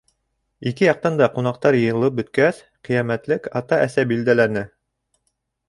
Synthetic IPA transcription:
ikɘjɑq̚t̪ɑnd̪ɑqunɑqt̪ɑɾjɤ̆jɤ̆lˠɤp̚bɵ̆t̪̚kæs | qĭjæmæt̪lɘkɑt̪ɑʔæsæbild̪ælænɘ

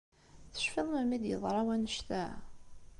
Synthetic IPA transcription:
θə̥ʃfəðˤməmid̪jə̰ðˤɾˤɑwænəʃt̪æ

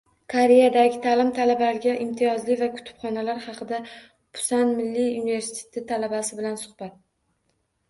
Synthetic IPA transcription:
kʰoɾejad̪aɡʲɪt̪ʰalɪmt̪ʰalabaɾɪɡʲaʔɪmt̪ʰɪjɒzlɪvakʰʊ̥t̪ʰɪ̥b̥χɒnalaɾχɑqʰɨd̪a | pʰʊ̥sanmɪlːiunɪve̞ɾsi̥t̪ʰet̪ʰɪt̪ʰalabasɪbɪlansʊχb̥at̪̚

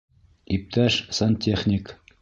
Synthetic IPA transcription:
ip̚t̪ʰæʃsɐnt̪ʲeχnʲɪk

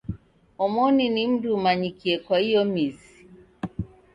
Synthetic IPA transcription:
ɔmɔninim̩dumaɲikiɛkwaijɔmizi

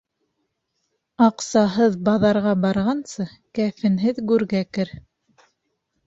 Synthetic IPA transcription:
ɑqsɑɦɤðbɑðɑɾʁɑbɑɾʁɑnsɤ | kæfɘ̆nɦɘðɡʉɾɡækɘɾ

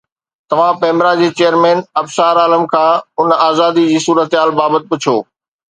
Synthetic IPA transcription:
t̪ɐʋ̤ãpẽːmɾad͡ʑeːt͡ɕeːjəɾmɛ̃ːnɐbsaːɾaːləmkʰãːʊnaːzaːd̪id͡ʑiːsuːɾət̪ɦaːlbaːbət̪̚pʊt͡ɕʰoː

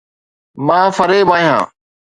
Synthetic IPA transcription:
mãːfɐɾeːbaːɦjã̰ː

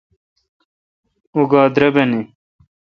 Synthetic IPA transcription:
uɡaːd̪ɾɐbɐni

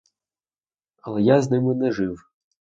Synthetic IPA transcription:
ɐlˠɛjaznɪmɪnɛʐɪw

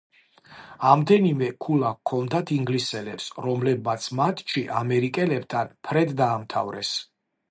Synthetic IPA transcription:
amd̪ɛnimɛkʰulˠakʰɔnd̪at̪ʰiŋɡlisɛlɛpsɾɔmlɛb̚mat̪sʰmat̪ʰʼʃʰiʔamɛɾikʼɛlɛbt̪ʰanpʰɾɛd̪d̪aːmt̪ʰa̰vɾɛ̰s

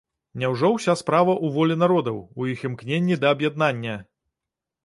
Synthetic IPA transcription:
nʲɛwʐɔwsʲaspɾavɐʔuvɔlʲɛnaɾɔd̪ɐwujiximknʲenʲːid̪ɐːbjad̪̚nanʲːɐ

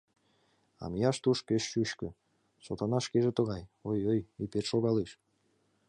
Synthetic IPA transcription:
ɑ̰mijɑʃt̪uʃkøʃyʃky | sot̪ɑnɑʃkeʒet̪uʁɑjojojipeʃoɡɑlˠɯʃ

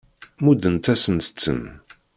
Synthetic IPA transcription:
mud̪ənt̪æsənt̪ə̥t͡sːə̰n

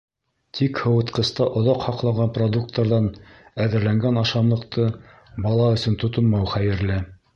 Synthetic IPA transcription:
t̪ʰikhɤ̆wɤ̆t̪qɤ̆st̪ɑʔŏðɑqhɑqlˠɑɴɢɑnprod̪uk̚t̪əɾðɑnæðɘ̆ɾlæŋɡænɑʃɑmlˠɤ̆qt̪ʰɤ | bɑlˠɑɵ̆sɵnt̪ŏt̪ŏnmɑwχæjɘ̆ɾlɘ

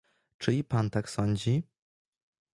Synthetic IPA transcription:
t͡ʂɘipant̪aksɔɲd͡ʑi

